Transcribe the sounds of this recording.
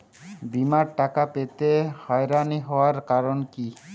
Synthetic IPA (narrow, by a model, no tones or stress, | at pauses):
bimaɾʈakapet̪ehɔjɾaniɦɔoaɾkaɾonki